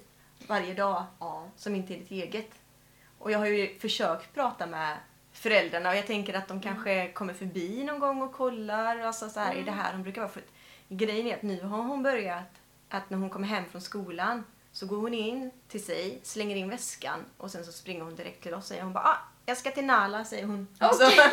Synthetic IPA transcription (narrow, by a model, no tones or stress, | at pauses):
vaɾjəd̪ɑːsɔmɪnt̪əɛɖɪt̪eːɡət̪ | ʔɔjɑːɡɦaɾjɵfœʂøːkt̪pʰɾɑːt̪amɛ | fœɾɛld̪ɾaɳaɔjɑːt̪ʰɛŋkəɾat̪̚d̪ɔmkʰanɧəkʰɔmːəɾfœɾbiːnɔnɡɔŋːɔkʰɔlːaɾɔalsɔsɔhæːɾɛdɛɦæ̰ːɾhʊnbɾʉ̟ːkaɾvɑːɾfœt̪ɡɾɛjːənæɾat̪nʉ̟ːɦaɾɦʊnbœɾjat̪ | ʔat̪næɾhʊnkʰɔmːəɾɦɛmːfɾɔnskuːlan | sɔɡoːɾhʊnɪnt̪ʰɪlsɛjslɛŋːəɾɪnvɛska̰nʔɔsɛnsɔspɾɪŋːəɾhʊnd̪ɪɾɛ̰k̚t̪ʰːɪlɔsːsɛ̰jːəɾhʊnbɑ̰ːʔɑːjɑːskat̪ɪlnaːlasɛjːəɾhʊnasɔ